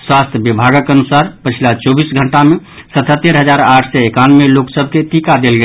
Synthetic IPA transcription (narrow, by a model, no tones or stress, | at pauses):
swast̪ʰjəbibʱaɡəkənusaɾpət͡ʃʰilat͡ʃɔbisɡʱəɳʈame | sət̪ʰət̪ːeɾɦəd͡ʒaɾaʈʰsɛekanmeloksəbʱket̪ikad̪elɡe